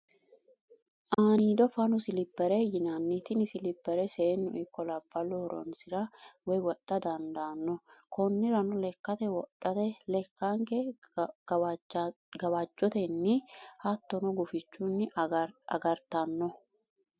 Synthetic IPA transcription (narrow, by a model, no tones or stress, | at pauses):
ʔaːniːd̪ɔfɐnʊsɪlɪpːɛɾɛjɪnɐnːɪt̪ɪnɪsɪlɪpːɛɾɛseːnːʊ̰ʔɪkːɔlɐbːɐlːɔhɔɾɔ̰nsɪɾɐwɔjwɔɗɐd̪ɐnd̪aːnːɔkɔnːɪɾɐnʊlɛkːɐt̪ɛwɔɗɐt̪ɛlɛkːaŋkɛ | ɡɐwɐd͡ʒːɔt̪ɛnːɪhɐt̪ːɔnɔɡʊfɪt͡ʃːunːɪɐ̰ɡɐɾt̪ɐnːɔ